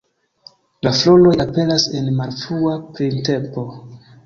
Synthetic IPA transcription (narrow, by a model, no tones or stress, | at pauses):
laflo̞lo̞jape̞nase̞nmaɾfuapɾinte̞mpo̞